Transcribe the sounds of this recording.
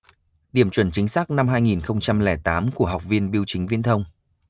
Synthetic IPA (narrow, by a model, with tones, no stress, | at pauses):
ɗi˧˩əmt͡ɕwə˧˩nt͡ɕï˨˦ŋ̟saː˦˥k̚na˧mhɦaː˧jŋi˨˩nxə˧wŋ͡mt͡ɕa˧mlɛ˧˩t̪aː˨˦mku˧˩əɦa˨˩wk͡p̚vi˧ənɓi˧əwt͡ɕï˨˦ŋ̟vi˧ənt̪ʰə˧wŋ͡m